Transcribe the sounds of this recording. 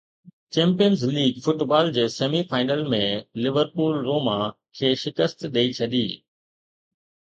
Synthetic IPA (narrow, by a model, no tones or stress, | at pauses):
t͡ɕẽːmpijənzliːɡfʊʈbaːld͡ʑeːseːmifaːɪnəlmẽlɪʋəɾpuːlːoːmã | kʰeːʃɪkəst̪ɗeit͡ɕʰɐɗiː